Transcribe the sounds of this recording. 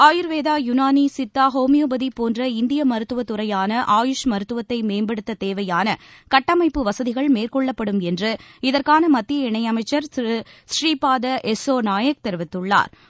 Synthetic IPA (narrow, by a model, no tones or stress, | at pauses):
aːjɪɾʋeːðaːjʊnaːnisɪt̪ːaːɦoːmɪjoːbɐðipoːndrɐɪnd̪ɪjɐmɐɾɯt̪ːɯʋɐt̪ːɯrɐjaːnɐʔaːjʊʂmɐɾɯt̪ːɯʋɐt̪ːɐɪmeːmbɐɽɯt̪ːɐt̪eːʋɐjaːnɐkɐʈːɐmɐɪpːɯʋɐsɐðɪɣɐɭmeːrkɔɭːɐpːɐɽɯmɛndrɯɪðɐrkaːnɐmɐt̪ːɪjɐɪɳɐjɐmɐɪt͡ʃːɐɾsriːpaːðɐʔɛsoːnaːjɐk̚t̪ɛɾɯʋɪt̪ːɯɭːa̰ːɾ